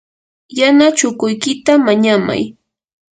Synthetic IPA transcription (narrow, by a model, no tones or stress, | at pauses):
janat͡ʃʊkʊjkɪt̪amaɲama̰j